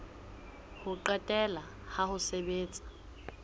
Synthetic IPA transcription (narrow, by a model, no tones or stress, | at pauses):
hʊǃɛtʼɛla | hahʊsebeːt͡sʼḁ